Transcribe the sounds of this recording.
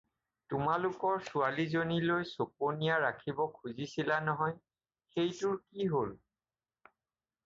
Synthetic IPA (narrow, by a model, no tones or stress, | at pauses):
tʊmalʊkɔɹsualizonilojsop̚onijaɹakʰibɔkʰuzisilanɔɦɔj | xejtʊɹkiɦol